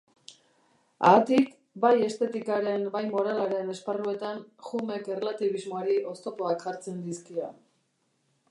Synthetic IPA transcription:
a̰ːt̪ik | baje̞st̪e̞t̪ikaɾe̞mbajmo̞ɾalaɾe̞ne̞sparue̞t̪anxume̞ke̞relat̪iβ̞izmo̞aɾiʔo̞st̪o̞po̞akʝaɾt͡se̞nd̪iskia

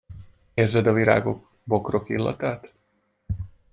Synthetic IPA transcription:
eːrzɛd̪ɒviɾa̰ːɡo̞k | bo̞kro̞kilːɒ̰t̪aːt̪

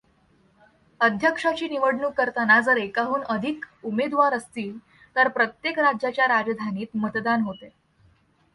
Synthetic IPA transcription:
əd̪ʱjəkʂat͡ɕiːniʋəɽɳuːkəɾt̪anad͡zəɾekaɦuːnəd̪ʱikumed̪ʋaɾəst̪iːl | t̪əɾpɾət̪jekɾad͡ʑjat͡ɕjaɾad͡zd̪ʱaniːt̪mət̪d̪anɦot̪e

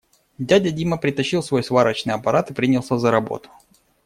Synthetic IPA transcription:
dʲadʲɐdʲiməpɾʲɪt̪ɐɕːilˠsvo̞jsvaɾət͡ɕnɨjɐpɐɾat̪ɨpɾʲinʲɪlˠsʲazəɾɐbo̰t̪ʊ̥

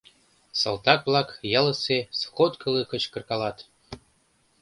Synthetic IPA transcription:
sɤlˠt̪ɑk̚blˠɑkjɑlɤ̆sesxot̪kʰɤ̆lˠɤkɤ̆t͡ɕkɤ̆rkɑlɑt̪

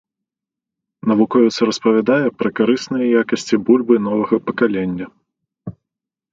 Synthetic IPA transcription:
nɐvukɔjut̪sɐɾɐspɐvʲad̪ajɛpɾɐkaɾɨsnɨjɐjakɐsʲt͡sʲibulʲbɨnɔvɐɣɐpɐkalʲenʲːɐ

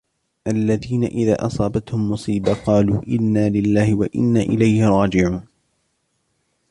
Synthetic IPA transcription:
ʔalːaðiːna̰ʔɪða̰ːʔɑsˤɑːbat̪hʊmːʊsˤiːbaqɑːluːʔɪnːaːlɪlːaːhɪwaʔɪ̰nːaːʔɪlajhɪɾˤɑːd͡ʒɪʕuːn

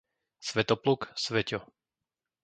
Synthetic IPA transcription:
sʋɛt̪ɔpluksʋɛcɔ

